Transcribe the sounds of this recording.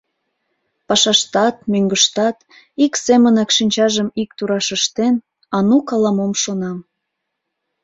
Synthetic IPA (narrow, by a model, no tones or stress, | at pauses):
pɑʃɑʃt̪ɑt̪̚møŋɡəʃt̪ɑt̪ | iksemənɑkʃinʲt͡ɕɑʒəmikt̪uɾɑʃəʃt̪en | ɑnukɑlɑmomʃonɑm